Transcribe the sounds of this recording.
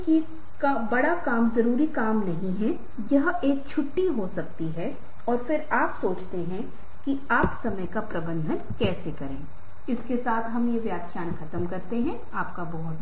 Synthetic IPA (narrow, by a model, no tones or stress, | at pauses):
ki | kabɐɽakaːmzɐɾuːɾikaːmnɐɦĩɦɛ | jɐɦeːk̚t͡ʃʰʊʈːiɦosɐk̚t̪iɦɛ | ɔːɾfɪɾaːpsoːt͡ʃt̪eɦɛ̃ | ki | aːpsɐməjkapɾɐbə̃nd̪ʱənkɛːsekɐɾẽː | ɪskesaːt̪ʰɦɐmjeʋjaːt̪ʃaːnkʰɐt̪əmkɐɾt̪eɦɛ̃ | aːpkabɐɦʊt̪